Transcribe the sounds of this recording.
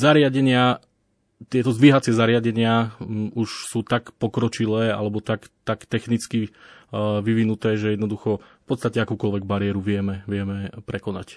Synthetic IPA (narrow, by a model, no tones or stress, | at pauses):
zaɾɪaɟɛɲɪa | t̪ɪɛt̪ɔzd̪ʋiɦat͡sɪɛzaɾɪaɟɛɲɪauʃsuːt̪akpɔkɾɔt͡ʃilɛːa̰lɛbɔt̪akt̪akt̪ɛxnit͡ski | ʋiʋinut̪ɛːʒɛjɛd̪nɔd̪uxɔfpɔt̪st̪acɛakuːkɔlʋɛɡbaɾɪɛɾuʋɪɛmɛʋɪɛmɛpɾɛkɔnac